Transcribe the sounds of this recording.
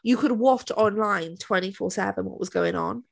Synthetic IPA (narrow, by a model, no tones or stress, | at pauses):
jəkʰəd̚wɔˑtɒ̃nlãɪ̃ntʰw̥ɛ̃ñtifɔːsɛvə̃nwɒ̰ʔwɒzɡəʊɪ̃ŋə̰̃n